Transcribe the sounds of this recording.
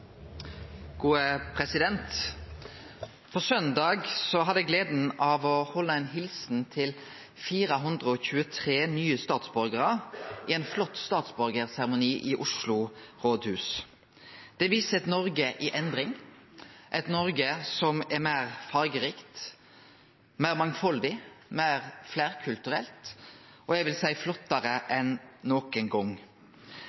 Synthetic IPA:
ɡ̥uːəpʰʁɛsɪd̪ɛnt̪ | fɔʁsœnd̪ɑːɡsɔɦɑd̪ɛɡleːd̪n̩ɑːʋɔhɔlːəɛnɦɪlsn̩t̪ʰɪl | fiːʁəɦʉnd̪ʁəɔçʉːət̪ʰʁeːnyːəst̪ɑːt̪sbɔɾɡəʁəʔɪɛnflɔt̪ːst̪ɑːt̪sbɔɾɡəʁsæʁəmʊniːʔɪʔʊʂlʊʁoːd̪hʉːs | d̪̥ɛʋiːsəɛt̪nɔɾɡəʔɪʔɛnd̪ʁɪŋ | ʔɛt̪nɔɾɡəsɔmɛmæːʁfɑɾɡəɾiːkt̪ | mæːʁmɑŋfɔld̪ɪmæɪʁflæːʁkʰʉlt̪ʉɾɛ̰lt̪ | ʔɔɛʋɪlsæɪflɔt̪ːɑʁəʔɛnnoːkənɡɔŋ

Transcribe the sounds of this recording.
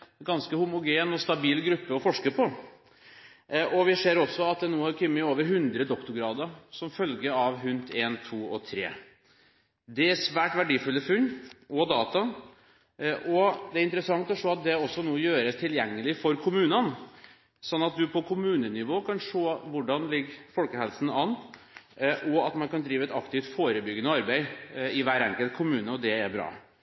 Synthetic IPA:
ɡɑnskəhʊmʊɡeːnɔst̪ɑbiːlɡɾʉpːəɔfɔʂkəpʰɔ | ɔʋɪseːɾɔsːɔɑt̪̚d̪ɛnuːhɑɾkʰʏmːəoːʋəɾɦʉnd̪ɾəd̪ɔkt̪ʊɾɡɾɑːd̪əɾsɔmfœlɡəɑʋɦʉnt̪ʰeːnt̪ʰuːɔ̰t̪ʰɾḛː | d̪ɛæsʋæːʈʋæɖiːfʉlːəfʉlɔd̪ɑːt̪ɑ | ʔɔd̪ɛæɾɪnt̪əɾəsɑŋt̪ɔʂoːɑt̪̚d̪ɛɔsːɔnuːjøːɾəst̪ʰɪljɛŋːəlɪfɔɾkʰʊmʉːnən | sɔnːɑt̪̚d̪ʉpʰɔkʰʊmʉːnənɪʋoːkʰɑnʂoːʋʊɖɑnlɪɡfɔlkəhɛlsən̩ɑnː | ʔɔɑt̪mɑnkɑnd̪ɾiːʋəɛt̪ɑkt̪ɪft̪foːɾəbʏɡənəɔɑɾbæɪɪʋæːɾɛŋkəlt̪̚kʰʊmʉːnəɔd̪ɛæɾbɾɑ̰ː

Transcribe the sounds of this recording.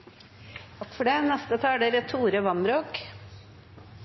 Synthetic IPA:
fɔɖeːnɛst̪ət̪ʰɑːɖeɾət̪ʰuːɾəʋɑnbɾoːk

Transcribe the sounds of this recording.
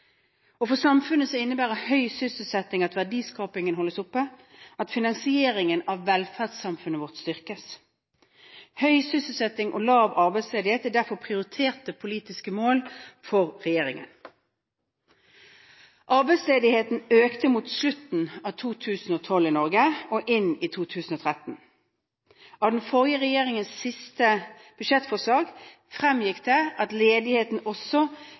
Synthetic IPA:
ɔfɔʁsɑmfʉnːəsɔɪnːəbæːʁəhœʏsʏsəl̩sɛt̪ːɪŋɑt̪ʋæʁdiːskɑːpɪŋənɦɔlːəsʊpːə | ʔɑt̪fɪnɑŋsɪeːʁɪŋənɑʋːɛlfæʁdsɑmfʉnəʋɔʁt̪st̪ʏʁkəs | hœʏsʏsəl̩sɛt̪ːɪŋʔɔ̰lɑːʋɑʁbæɪsleːd̪ɪheːt̪æɖæʁfɔʁpʰʁɪʊʁɪt̪ʰeːʁt̪əpʰʊliːt̪ɪskəmoːlfɔʁʁɛjeːʁɪŋə̰n | ʔɑʁbɛɪsleːd̪ɪheːt̪n̩øːkt̪əmuːt̪slʉt̪n̩ɑːt̪ʰuːt̪ʰʉːsn̩oːt̪ʰɔlɪnɔʁɡəɔʔɪnit̪ʰuːt̪ʰʉːsn̩ɔːt̪ʰʁɛt̪n̩ | ʔɑːʋd̪ɛnfɔʁɪjəʁɛjeːʁɪŋənsːɪst̪ə | b̥ʉʃɛt̪fɔʁʂɑːɡ | fʁɛmjɪkd̪ɛʔɑt̪leːd̪ɪheːt̪n̩ɔsɔ

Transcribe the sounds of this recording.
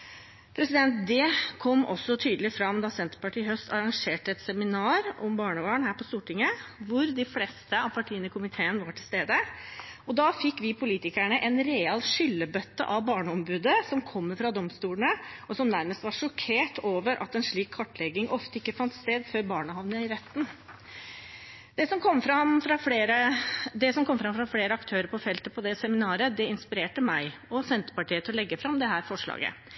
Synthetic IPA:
pʰɾɛsɪd̪ɛnt̪̚d̪ɛkʰɔmːʔɔ̰sːɔt̪ʰyːd̪əlɪfɾɑmd̪ɑːsɛnt̪ə̥ɾpɑʈiːhœst̪ʰɑɾɑŋʂeːʈəɛt̪sɛmɪnɑːɾɔmbɑːɳəʋɑːɳhæːɾpɔst̪uːʈɪŋːəʋʊɾd̪ɪfleːst̪əɑʋpʰɑʈʰiːənəkʰʊmɪt̪ʰeːənʋɑʈʰɪlst̪eːd̪əɔd̪ɑːfɪkːʋɪpʰʊliːt̪ɪkæɳəʔɛnɾeːɑlʂʏlːəbœt̪ːə̰ʔɑʋbɑːɳəɔmbʉːd̪əsɔmkʰɔmːfɾɑd̪ɔmst̪uːlɳəɔsɔmnæɾməst̪ʋɑɾʂɔkʰeːʈoːʋəɾʔɑ̰t̪ɛnʂɭiːkʰːɑʈːlɛɡɪŋʔɔft̪əɪkːəfɑnt̪st̪eːd̪føːɾbɑːɳəhɑʋnəɪɾɛt̪ːn̩ | d̪ɛsɔmkʰɔmːfɾɑmfɾɑfleːɾəd̪ɛsɔmkʰɔmːfɾɑmfɾɑfleːɾəɑkt̪ʰøːɾəɾpʰɔfɛlt̪əpʰɔd̪ɛsɛmɪnɑːɾəd̪ɛɪnspɪɾeːʈəmæɪɔsɛnt̪ə̥pɑʈʰiːət̪ɪlɔlɛɡːəfɾɑmd̪ɛɦæːɾfɔʂɭɑ̰ːɡə̰

